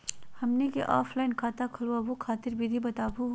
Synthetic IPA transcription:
hɐmnekeʔɔːfʰlaːɪnkʰaːt̪akʰɐluaʋokʰaːt̪ɪɾbʱid̪ʱibɐt̪aːbu

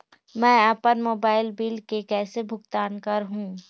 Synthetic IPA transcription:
mɛ̃ːɛpənmoːbaːɪlbɪlkekɛːsebʱʊɡt̪aːnkəɾɦũː

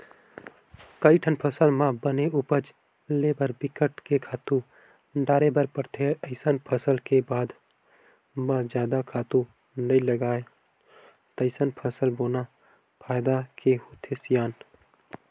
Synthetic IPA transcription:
kəiʈʰənpʰəsəlmãbəneupət͡ʃ | lebəɾbɪkəʈkekʰaːt̪ũ | ɖaːɾebəɾpəɾt̪ʰeəɪsənpʰəsəlkebaːd̪ | mãd͡ʒjaːd̪akʰaːt̪ũ | nəiləɡaːe | t̪əɪsənpʰəsəlboːna | pʰaːjd̪akeɦot̪ʰesijaːn

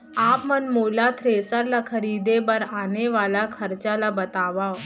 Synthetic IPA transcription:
aːpmənmoːlat̪ʰɾeːsəɾlakʰəɾiːd̪ebəɾaːneʋaːlakʰəɾt͡ʃalabɐt̪aːʋao

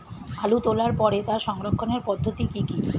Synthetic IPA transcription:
alut̪olaɾpɔɾet̪aʃɔŋɾokʰːoneɾpɔd̪ʱːot̪ikiki

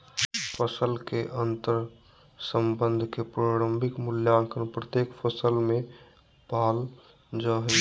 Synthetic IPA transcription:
pʰəsəlkeʔənt̪əɾ | səmbənd̪ʱkepɾoɽəmbʱikmuljakʰənpɾət̪jekpʰəsəlme | pal | d͡ʒəɦ

